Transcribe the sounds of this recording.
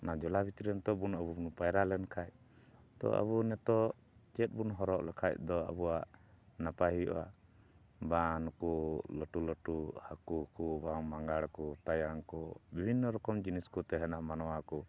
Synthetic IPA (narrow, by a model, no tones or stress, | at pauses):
nad͡ʒɔlabit̪iɾɛnt̪ɔbunəbubunpajɾalɛnkʰac̚ | t̪ɔ̰ʔə̰βunɛt̪ɔ | t͡ʃɛt̪̚bunɦɔɾɔʔlakʰac̚d̪ɔə̰buaʔ | napaɦiɔ̰a̰ | banɔkɔləʈuləʈuhakukɔbaŋmaŋɡaɽkɔt̪ajaŋkɔbibʱinːɔɾɔkɔmd͡ʒiniskɔt̪ɛɦɛnamanɔwakɔ